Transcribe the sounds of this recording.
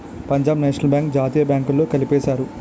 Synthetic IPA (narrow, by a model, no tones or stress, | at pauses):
pɐɲd͡ʒaːbnɛːʂɐnɐlbʲjaːŋk̚d͡ʒaːt̪iːjɐbjaːŋkulːoːkɐlipɛːsaːɾu